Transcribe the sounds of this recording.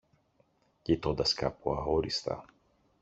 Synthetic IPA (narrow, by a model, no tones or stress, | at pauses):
cit̪ond̪ɐskapuɐɣoɾist̪ɐ̰